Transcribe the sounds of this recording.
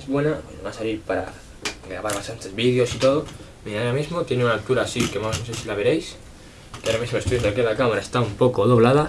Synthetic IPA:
ezβwe̞naenoβasaliɾpaɾa̰ | ɡɾaβaɾβast̪ant̪e̞zβið̞jo̞sit̪o̞ð̞o | miaaɾamizmot̪jeneunalt̪uɾasikemanosesilaβe̞ɾejs | keaɾamizmoest̪ujond̪ekeðakamaɾaest̪aumpo̞koð̞oβlaða

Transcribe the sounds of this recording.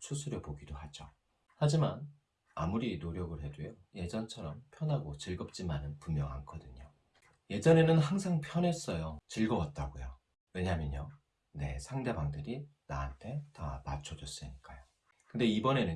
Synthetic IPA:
sʰusʰuɾjʌpoɡidohad͡ʑo | had͡ʑiman | a̰muɾinoɾjʌɡɯɭɦe̞dwujoje̞d͡ʑʌnt͡ɕʰʌɾʌmpʰjʌnɦaɡot͡ɕɯɭɡʌp̚t͡ɕ͈imanɯnpumːjʌŋa̰nkʰʌdɯɲo | je̞d͡ʑʌne̞nɯnɦaŋsʰaŋpʰjʌnɦe̞s͈ʌjot͡ɕɯɭɡʌwʌt̚t͈aɡojo | we̞ɲamjʌɲo | ne̞̰sʰaŋde̞baŋdɯɾinaːntʰe̞tamat͡ɕʰʌd͡ʑʌs͈ɯɲik͈ajo | kɯnde̞ibʌne̞nɯ

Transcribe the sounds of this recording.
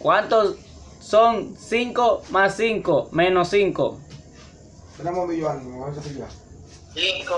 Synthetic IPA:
kwant̪os | soŋsiŋkomasːiŋkomenosiŋko̰ | seɾamombijoaniosasija

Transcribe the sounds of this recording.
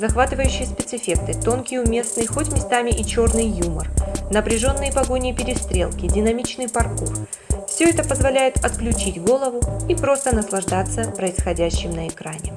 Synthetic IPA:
zɐxvat̪ɨvəjʉɕːɪjəspʲɪt̪sɨfʲe̞k̚t̪ɨt̪o̞nkʲɪjəʊmʲe̞snɨjxo̞tʲmʲɪst̪amʲɪʔit͡ɕo̞rnɨjjumərnəpɾʲɪʐo̞nːɨjəpɐɡo̞nʲɪjəpʲɪɾʲɪst̪ɾʲe̞̰lˠkʲɪdʲɪnɐmʲit͡ɕnɨjpɐrkur | fsʲɵɛt̪əpəzvɐlʲæjɪt̪ɐt̪klʲʉt͡ɕitʲɡo̞lˠəvʊipɾo̞st̪ənəslˠɐʐd̪at̪sːəpɾəɪsxɐdʲæɕːɪmnəɪkɾanʲɪ

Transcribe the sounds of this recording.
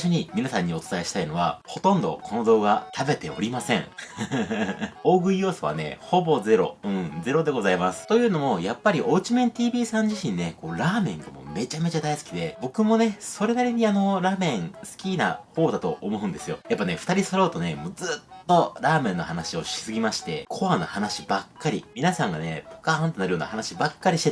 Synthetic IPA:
iɕo̞ɲ̟imʲinasãɲ̟ːio̞t͡sɨ̥t̪aeɕi̥t̪aino̞β̞a̰ho̞t̪õ̞nd̪o̞̰kʰono̞d̪o̞ːɡat̪ʰabe̞t̪e̞o̞̰ɾʲimasẽ̞̰ɴ | o̞ːɡɯ̟ijo̞ːsoβa̰ne̞̰ho̞bo̞ze̞ɾo̞̰ɯ̟̃ɴd͡ze̞ɾo̞d̪e̞ɡo̞zaimasɨ̥t̪o̞jɯ̟ːno̞mo̞japːaɾʲiʔo̞ːt͡ɕimẽ̞nt̪ʲiːbʲiːsãɲ̟d͡ʑiɕĩne̞ko̞ːɾaːmẽ̞ŋɡamo̞̰me̞t͡ɕame̞t͡ɕad̪aisɨ̥kʲid̪e̞bo̞kɯ̟mo̞ne̞so̞ɾe̞naɾʲiɲ̟iano̞ɾaːmẽ̞ɴsɨ̥kʲina̰ho̞ːd̪at̪o̞̰ʔomo̞ɯ̟̃nd̪e̞sɨjo̞̰japːane̞ɸɯ̥t̪aɾʲisoɾo̞ːt̪o̞ne̞mod͡zɨt̪ːo̞ɾaːmẽ̞nːo̞hanaɕio̞ɕi̥sɨɡʲimaɕi̥t̪e̞̰kʰo̞βano̰hanaɕi̥bakːaɾʲḭmʲinasãŋɡanḛpo̥kaãnt̪eaɾɯjoːna̰hanaɕibakːaɾʲiɕit̪e

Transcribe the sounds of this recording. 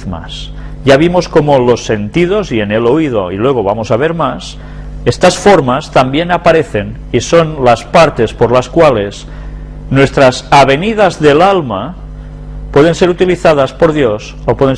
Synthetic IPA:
ma̰s | ʝaβ̞imosko̞molo̞se̞nt̪ið̞o̞siene̞lo̞ið̞oilwe̞ɣ̞oβamo̞saβ̞e̞ɾmas | est̪asfoɾmast̪ambje̞napaɾeθe̞n | iso̞nlaspaɾt̪e̞spoɾlaskwale̞s | nwe̞st̪ɾasaβe̞niðazðelalma | pwe̞ð̞e̞nse̞ɾut̪iliθaðaspo̞ɾðjo̞s | opweðen

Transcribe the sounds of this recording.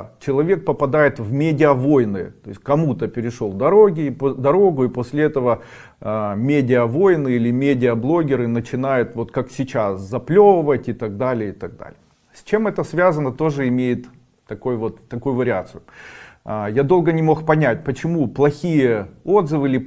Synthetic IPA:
t͡ɕɪlˠɐvʲe̞k̚pəpɐd̪ajɪt̪vmʲedʲɪəvo̞jnɨ̰t̪o̞̰ɪsʲkɐmut̪əpʲɪɾʲɪʂo̞lˠd̪ɐɾo̞ɡʲɪpd̪ɐɾo̞ɡʊiposʲlʲɪɛt̪əvə | mʲedʲɪəvo̞jnɨilʲɪmʲedʲɪəblˠo̞ɡʲɪɾɨnət͡ɕɪnajʊt̪vo̞t̪kaksʲɪt͡ɕaszɐplʲovəvətʲɪt̪ɐɡ̚d̪alʲɪjəɪt̪ɐɡ̚d̪a̰lʲɪjə | sʲt͡ɕe̞mɛt̪əsvʲazənət̪o̞ʐɨɪmʲejɪt̪ː | ɐko̞jvo̞t̪ːɐkujʊvəɾʲɪat̪sɨjʊ | jad̪o̞lˠɡənʲɪmo̞xpɐnʲæt̚ʲpət͡ɕɪmuplˠɐxʲijəo̞d̪zɨvɨlʲɪ

